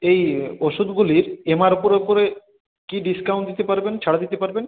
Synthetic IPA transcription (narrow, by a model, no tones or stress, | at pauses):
ejoʃud̪ʱɡuliɾemaɾopoɾopoɾe | kiɖiskaw̃ɳʈd̪it̪epaɾbent͡ɕʰaɽad̪it̪epaɾben